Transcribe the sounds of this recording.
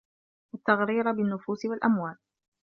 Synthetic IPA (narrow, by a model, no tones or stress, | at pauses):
ʔat̪ːaɣɾiːɾabɪnːʊfuːsɪwalʔamwaːl